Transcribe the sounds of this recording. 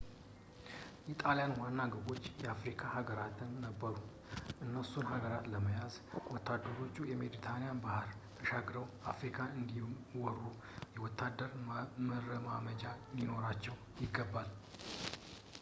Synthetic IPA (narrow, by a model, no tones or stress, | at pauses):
jɛt̪ʼaljanwanːaɡɨbo̞t͡ʃːjɛafɾikʰahaɡəɾat̪ʰɨnːəbːəɾu | ʔɨnːəsunhaɡəɾat̪ləməjazwɔt̪ːad̪ːəɾo̞t͡ʃːujɛmeɾit̪ʰanijanbahɨɾ | əʃaɡɾəwafɾikʰaɨnd̪iwɔrːu | jɛwɔt̪ʰːad̪ːəɾməɾəmaməd͡ʒanino̞ɾat͡ʃːɛw | jɪɡːəbːal